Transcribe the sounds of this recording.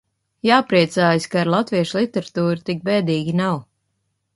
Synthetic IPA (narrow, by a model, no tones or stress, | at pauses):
jaːpɾiɛt̪saːjskaːɾlˠat̪viɛʃlˠit̪ɛɾat̪uːɾut̪ik̚bɛːd̪iːɡʲinaw